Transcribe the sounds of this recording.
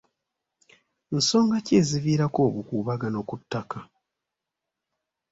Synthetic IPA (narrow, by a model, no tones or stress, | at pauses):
n̩so̞ːŋɡace̞ːziviːɾako̞ːβukuːβaɡano̞kutːaka